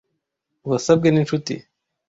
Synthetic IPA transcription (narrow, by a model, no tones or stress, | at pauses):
wasab̚ɡeninʃut̪ḭ